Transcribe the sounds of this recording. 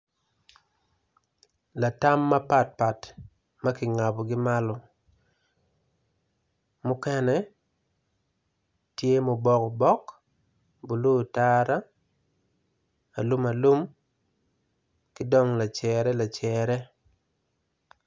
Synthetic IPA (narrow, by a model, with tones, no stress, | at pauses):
la˨ta˦mːa˦pa˨t̚pa˨t | ma˦kɪ˨ŋa˨bɔ˨ɡɪ˦ma˦lɔ˨ | mʊ˦kɛ˦nɛ˨ | tje˦mo˨bɔ˦kɔ˨bɔ˦k | bu˨lu˦˨ta˦ɾa˦ | a̰˨lu˦ma˨lu˦m | kɪ˦dɔ˦ŋla˨t͡ʃɛɾɛ˦la˨t͡ʃɛɾɛ˦